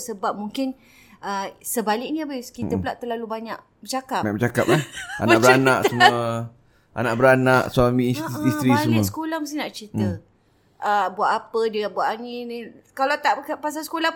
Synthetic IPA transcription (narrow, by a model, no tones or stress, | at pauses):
səbap̚muŋkɪn | əsəbalɪk̚niabeskit̪əpulaʔt̪ərlalubaɲaʔ̚bət͡ʃakaaɲa̰kbət͡ʃaka̰p̚laa̰naʔbəɾanaʔsəmuə | ʔa̰naʔbəɾanaʔsuamiːnsist̪ɾiisəmusə̥kolahməsinaʔt͡ʃit̪ə | əbuaʔ̪apədiabuaʔ̪aninikalat̪aʔkpas̬alsə̥kolah